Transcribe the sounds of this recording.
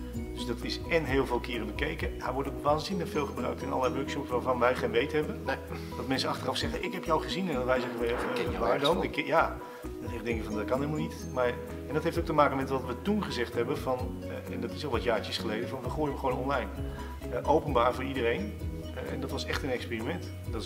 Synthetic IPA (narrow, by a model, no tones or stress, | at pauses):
d̥ɵsdɑtɪsɛnɦɪːlˠvɪːlˠkɪːrəbəkejkəajʋɔɹdəʋaːnzɪnləχfɪːlˠχəbrœ̰ɥk̚tɪnʔɑ̰ləlɛjʋøɹkʃɔpsʋaːɹvɑnʋɛjχejnʋejtɦɛbə | d̥ɑtmɛnsəɑχtərɑfsɛχəʔɪkɦɛpjɔwχəzinɛndɔtʋɛjzəχəʋəʋaːɹdomjaː | dɔtɪdɛŋkəkfɑndɔt̚kɑnɦelˠmɑlˠnit | maːɹ | ɛndɑtɦejftowk̚təmaːkəmɛtʋɑtʋətunχəzɛχtɦɛbənvɑn | ɛ̰ndɑtɪsʋɛlˠʋɑtjaːɹt͡ʃəsχəlejdəvɑnʋəχoːjdəʋəχʋownɔnlɛjn | ʔowpənbaːɹvʊːɹidərejn | ɛndɑtʋɑsɛχtənɛkspiːrimɛnt | d